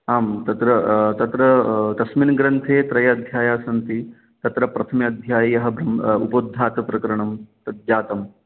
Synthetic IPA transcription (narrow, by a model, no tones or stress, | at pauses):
aːmt̪ɐt̪ɾɐt̪ɐt̪ɾɐt̪ɐsminɐɡɾɐnt̪ʰeːt̪ɾɐjɐɐd̪ʱjaːjaːsɐnt̪i | t̪ɐt̪ɾɐpɾɐt̪ʰɐmjɐɐd̪ʱjaːjɐjɐɦɐ̆bɾɐmupod̪ʱːaːt̪ɐpɾɐkɐɾɐɳɐmt̪ɐd̪jaːt̪ɐm